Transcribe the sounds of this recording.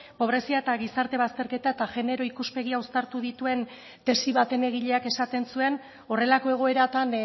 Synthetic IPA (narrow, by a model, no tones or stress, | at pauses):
po̞β̞ɾe̞siae̞t̪aɣisaɾt̪e̞β̞ast̪e̞ɾke̞t̪ae̞t̪aʝe̞ne̞ɾo̞ikuspe̞ɣiawst̪aɾt̪uðit̪ue̞n | t̪e̞siβat̪e̞ne̞ɣ̞iʎe̞ake̞sat̪e̞nsue̞n | o̞re̞lako̞e̞ɣ̞o̞e̞ɾat̪an